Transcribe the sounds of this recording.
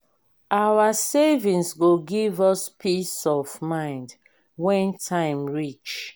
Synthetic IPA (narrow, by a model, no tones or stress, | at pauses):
ʔawasevĩnsɡoɡivɔspʰisɔvmãɪ̃nd | wɛ̃ntʰãɪ̃mɹit͡ʃ